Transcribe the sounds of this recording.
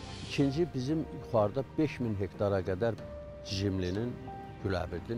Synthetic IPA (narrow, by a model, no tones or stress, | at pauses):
icʰind͡ʒibizimjuχɑɾd̪ɑb̥e̞ʃminɦe̞kt̪ʰɑɾɑɡæd̪æɾ | ʒimlinin | ɟylæ̰vid̪i